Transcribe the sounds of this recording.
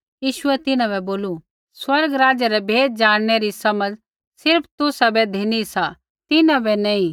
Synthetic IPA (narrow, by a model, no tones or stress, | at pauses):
jiːʃʊɛt̪ɪnãbɛboːlu | swɐɾɡɾaːd͡ʒaɾɛbʱeːd̪̚d͡ʒaːɽ̃neɾisɐməd͡ʒ | sɪɾpʰt̪ʊsabɛd̪ʱeːnisa | t̪ɪnãbɛnɐĩ